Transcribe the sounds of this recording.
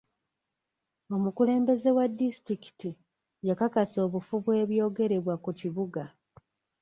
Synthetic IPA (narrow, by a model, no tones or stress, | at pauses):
o̞mukule̞ːmbe̞ze̞wadːistɾiki̥ti | jakakaso̞ːβufuβwe̞ːβjo̞ːɡe̞ɾe̞βwakuciβuɡa